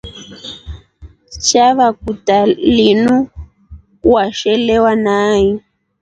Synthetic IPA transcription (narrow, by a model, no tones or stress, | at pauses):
t͡ʃaβak̚utalinu | waʃɛlɛwanaːji